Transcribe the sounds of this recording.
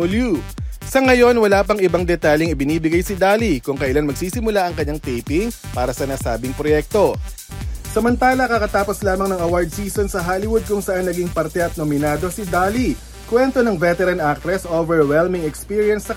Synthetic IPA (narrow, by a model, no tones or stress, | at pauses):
ʊljusɐŋɐjo̞nwɐlaːpɐŋɪbɐŋd̪ɛt̪aːʎɐŋɪbɪniːbɪɡajsɪd̪aːlikʊŋkɐʔɪlanmɐɡ̚siːsɪmʊlaʔɐŋkɐɲːaŋt̪ɛjpɪŋpaːɾɐsɐnɐsaːbɪŋpɾojɛk̚t̪o̞ | sɐmɐnt̪aːlɐkɐkɐt̪aːpo̞slaːmɐŋnɐŋɐwaɹd̪̚siːsonsɐɦaːlɪwʊd̪̚kʊŋsɐʔanːɐɡiŋpɐɾt̪ɛʔɐt̪̚nomɪnaːd̪o̞sɪd̪aːli | kwɛnt̪o̞nɐŋvɛt̪ɛɾɐnʔak̚t̪ɾɛsʔovɛɹwɛlmɪŋɛkspiːɹjɐnsːɐ